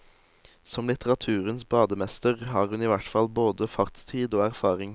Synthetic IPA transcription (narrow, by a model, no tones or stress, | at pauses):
sɔmlɪt̪əʁɑt̪ʰʉːʁənsbɑːd̪əmɛst̪əʁhɑːʁhʉniːʋæʈfɑlboːd̪əfɑʁt̪st̪ʰiːd̪oːæʁfɑːʁɪŋ